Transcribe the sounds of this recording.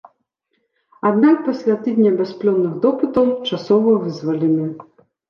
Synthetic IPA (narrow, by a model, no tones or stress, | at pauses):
ad̪nak̚pɔsʲlʲat̪ɨd̪ʲnʲɐbʲɛsplʲɔnːɨɣd̪ɔpɨt̪ɐwt͡ʂasɔvɔvɨzvɐlʲimʲɛ